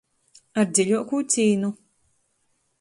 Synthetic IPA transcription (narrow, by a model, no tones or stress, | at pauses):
aɾd̪ziʎʲuɔkuːt̪siːnu